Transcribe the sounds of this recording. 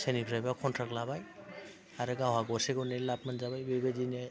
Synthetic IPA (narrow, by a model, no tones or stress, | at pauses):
senipʰɾajbakʰɔntʰɾaklabaj | aɾɯɡawɦaɡɔseɡɔnɛlap̚manzabajbebezinɛ